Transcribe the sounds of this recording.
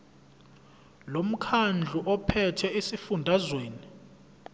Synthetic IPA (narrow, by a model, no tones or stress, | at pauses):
lom̩kʰand͡ɮʱuʔɔpʰɛtʰɛesifundʱazweːni